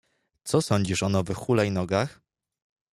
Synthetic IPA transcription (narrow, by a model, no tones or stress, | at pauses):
t̪sɔsɔɲd͡ʑiʂɔnɔvɘxːulainɔɡax